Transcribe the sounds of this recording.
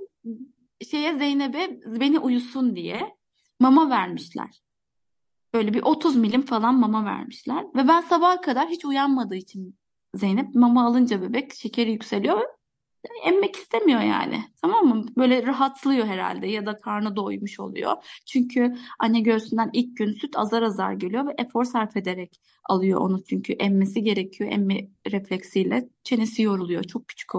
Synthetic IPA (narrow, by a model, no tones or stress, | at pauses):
ʃe̞jɛzejnebɛbe̞niʔujusund̪ijɛ | mamavæɾmiʃlʲæ̰ɾ̥ | b̥ø̞jlʲɛbiʔo̞t̪ʰuzmilʲimfalˠanmamavæ̰ɾmiʃlʲæɾ̥vɛbænsabahkʰad̪aɾɦit͡ʃʰujanmad̪ɯːit͡ʃʰin | ze̞jnɛp̚mamaːlˠɯnd͡ʒabebɛcʃe̞cʰe̞ɾijycse̞lʲijo̞vɛ | anɛmːɛci̥st̪ʰemijo̞ja̰ːnɪ̰t̪ʰamamːɯbø̞ːjlʲɛɾaɦat̪ʰlˠɯjo̞ɦe̞ɾa̰lʲd̪ɛjad̪akʰaɾnɯd̪o̞jmuʃo̞̰lˠṵjo̰t͡ʃʰyɲcʰyanaɟøɾsynd̪ænilʲc̚ɟynsyt̪ʰa̰zaɾaza̰ɾɟelʲijo̞vɛʔɛfo̞ɾsaɾfe̞d̪e̞ɾɛc | a̰lˠɯjo̞̰ʔo̰nut͡ʃʰyɲcʰyʔɛmːes̬iɟe̞ɾecʰijo̞ʔɛ̰mːɛɾɛflʲɛcsijlʲɛt͡ʃʰe̞nesijo̞ɾulˠujo̞̰t͡ʃʰo̞k̚pʰy̥t͡ʃʰi̥kʰo